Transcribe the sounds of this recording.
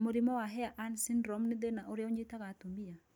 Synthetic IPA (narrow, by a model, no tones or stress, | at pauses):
moɾimɔwaɦɛaʔansinɾɔmnɪd̪enaʔoɾjoɲɪt̪akat̪ombija